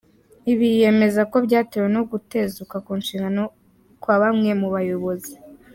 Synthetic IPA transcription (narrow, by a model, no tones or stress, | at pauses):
iβije̞me̞zako̞bɟaːtiweno̞ɡute̞zukakuːnʃiːŋɡano | kwaβamŋe̞muβajo̞βo̞zi